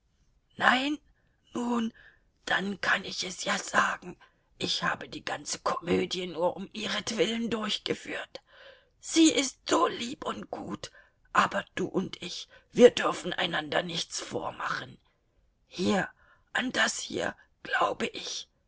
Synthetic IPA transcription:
naɪn | nuːn | d̥ankʰanɪçɛsjaːz̥aːɡŋ̩ | ʔɪçha̰ːbədiːɡant͡sə̥kʰɔmøːdjənuːɐʔʊmʔiːʁətv̥ɪləndʊɐçɡ̥əfy̰ːɐt | z̥iːʔɪstz̥oːliːpʊntɡ̥uːt | ʔaːbɐd̥ṵːʔʊntʔɪçv̥iːɐdʏɐfn̩ʔa̰ɪnandɐnɪçt͡sfo̰ːɐma̰χən | hiːɐ | ʔand̥ashḭːɐ | ɡ̥laʊbəʔɪç

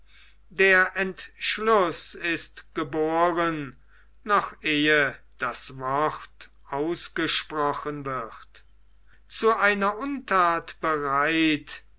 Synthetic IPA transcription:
deːɐʔɛntʃlʊsɪstɡ̥əboːʁən | nɔχʔeːə | d̥asvɔχt | ʔaʊsɡ̥əʃpʁɔxənvɪχt | t͡suʔaɪnɐʔʊntʰaːtb̥əʁaɪt

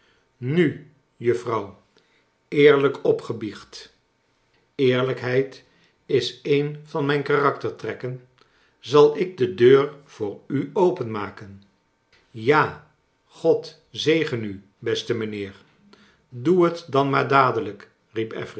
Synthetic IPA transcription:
ny | jɵfrɑw | ɪːɹləkɔpχəbiχt | ɪːɹləkɦɛjt | ɪsejnvɑnmɛjnkarɑktəɹtrɛkən | zɑlˠɪɡ̚dədøːɹv̥ʊːɹyowpənmaːkən | jaː | χɔt | zejχəny | bɛstəmənɪːɹ | duɦətdɑnmaːɹdaːdələk | ripɛ̰fri

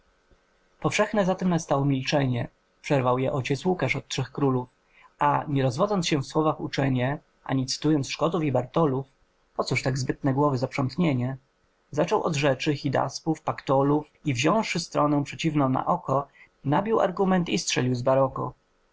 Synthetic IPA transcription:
pɔfʂɛxnɛzat̪ɛmnast̪awɔmʲilt͡ʂɛɲɛ | pʂɛɾvawjɛʔɔt͡ɕɛt̪swukaʂɔt̪̚tʂɛxkɾuluf | aɲɛɾɔzvɔd̪zɔntsɕɛfswɔvaxṵt͡ʂɛɲɛ | ʔa̰ɲit̪sɘ̥t̪ujɔnt̪ʂkɔd̪ufibaɾt̪ɔluf | pɔt̪suʂt̪aɡzbɘt̪nɛɡwɔvɘzapʂɔnt̪ɲeɲɛ | zat͡ʂɔwʔɔ̰d̪ʐɛt͡ʂɘxʲid̪a̰spufpakt̪ɔluf | ivʑɔ̃w̃ʂɘst̪ɾɔnɛw̃pʂɛt͡ɕivnɔ̃w̃na̰ʔɔkɔ | nabʲiwa̰ɾɡumɛnt̪istʂɛlʲiwzbaɾɔkɔ̰

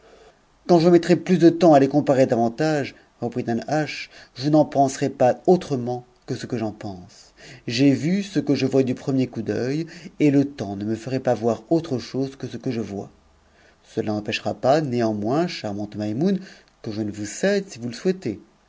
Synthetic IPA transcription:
kɑ̃ʒəmɛt̪χɛplysd̪ət̪ɑ̃alekɔ̃paʁed̪avɑ̃t̪aʒ | ʁəpχid̪ãnaʃʒunɑ̃pɑ̃sʁɛpaot̪χəmɑ̃ | kəsəkəʒɑ̃pɑ̃s | ʒɛvysəkəʒəvwad̪ypχəmjekud̪œjelət̪ɑ̃nəməfəʁɛpavwaʁot̪χəʃozkəsəkəʒəvwa̰ | səlanɑ̃pɛʃʁapaneɑ̃mwɛ̃ʃaʁmɑ̃t̪majmun | kəʒənəvusɛd̪sivuləswɛt̪e

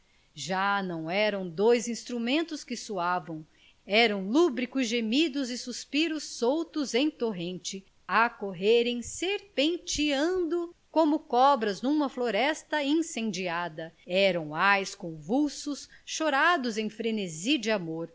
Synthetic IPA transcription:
ʒanɐ̃w̃ɛɾɐ̃w̃d̪ojzĩst̪ɾumẽnt̪ʊskɪsuavɐ̃w̃ | ɛɾɐ̃w̃lubɾikʊzʒemid̪ʊzɪsuspiɾʊsːowt̪ʊzẽj̃t̪oɦẽnt͡ʃɪ | akoɦeɾẽj̃seɾpẽnt͡ʃiɐ̃nd̪ʊkõmʊkɔbɾɐznũmɐfloɾɛst̪ɐĩsẽnd͡ʒiad̪ɐɛɾɐ̃w̃ajskõvuwsʊsʃoɾad̪ʊzẽj̃fɾeneziɐd͡ʒɪamoɾ

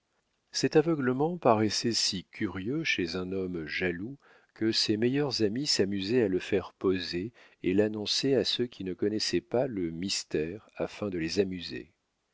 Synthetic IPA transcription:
sɛt̪avœɡləmɑ̃paʁɛsɛsikʲʰyʁjøʃezɛ̃nɔmʒalu | kəsemɛjœʁzamisamyzɛaləfɛʁpoze | elanɔ̃sɛasøkʲinəkɔnɛsɛpaləmist̪ɛʁafɛ̃d̪əlezamyzḛ

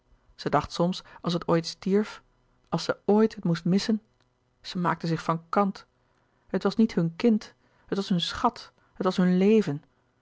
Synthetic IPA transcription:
z̥ədɑχtsɔmsɑlˠs̬ɦətoːjtstiɹf | ʔɑlˠsəoːjtɦətmustmɪsən | z̥əma̰ːk̚təzɪχfɑnkɑnt | ɦətʋɑsnitɦɵnkɪnt | ɦətʋɑsɦɵnsχɑt | ɦətʋɑsɦɵnlejvən

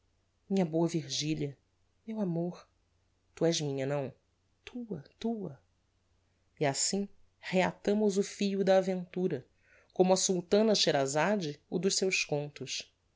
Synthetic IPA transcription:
mĩɲɐboɐviɾʒiliɐ | mewamoɾ | t̪uɛʒmĩɲɐnɐ̃w̃ | t̪ʰuɐt̪uɐ | iasĩ | heat̪ɐ̃mʊzʊfiʎʊd̪ɐːvẽnt̪uɾɐ | kõmʊɐsult̪ɐ̃nɐʃeɾazad͡ʒɪʊd̪ʊʃsewskõnt̪ʊs

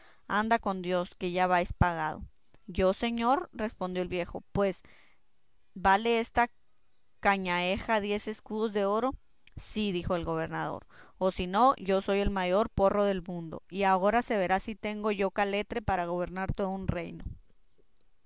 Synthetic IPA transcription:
and̪ako̞nd̪jo̞ske̞ʝaβajspaɣað̞o̞̰ | ʝo̞se̞ɲo̞ɾre̞spo̞nd̪jo̞elβje̞xo̞̰pwe̞s | bale̞est̪a | kaɲae̞xaðje̞se̞skuð̞o̞zðe̞o̞ɾo̞ | siðixo̞e̞lɣo̞β̞e̞ɾnað̞o̞̰ɾosino̞ʝo̞so̞je̞lmaʝo̞ɾpo̞ro̞ðe̞lmũnd̪o̞̰iao̞ɾase̞βe̞ɾasit̪e̞ŋɡo̞ʝo̞kale̞t̪ɾe̞paɾaɣ̞o̞β̞e̞ɾnaɾt̪o̞ðounre̞jno̞

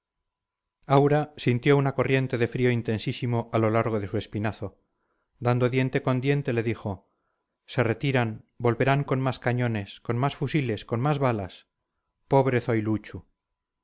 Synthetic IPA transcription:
awɾasint̪jo̞unako̞rje̞nt̪e̞ðe̞fɾio̞int̪e̞nsisimo̞ʔalo̞laɾɣ̞o̞ðe̞sue̞spinaθo̞ | d̪and̪o̞ðje̞nt̪e̞ko̞nd̪je̞nt̪e̞le̞ðixo̞ | se̞re̞t̪iɾanbo̞lβe̞ɾaŋko̞nmaskaɲo̞ne̞sko̞nmasfusile̞sko̞nmazβalas | po̞β̞ɾeθojlut͡ʃu

